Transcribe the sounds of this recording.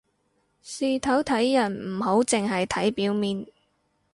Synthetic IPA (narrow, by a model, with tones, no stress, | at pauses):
siː˨˧t̪ʰɐ˨˥wt̪ʰɐ˨˥jːɐ˨˩nm̩˨˩ho˨˥wt͡sɪ˨ŋɦɐ˨jt̪ʰɐ˨˥jpiː˨˥wmiː˨n